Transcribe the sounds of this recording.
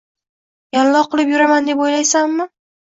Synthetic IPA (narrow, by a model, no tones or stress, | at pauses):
jallɒqɨlˠɪpjʊɾamand̪e̞pojlajsamːɪ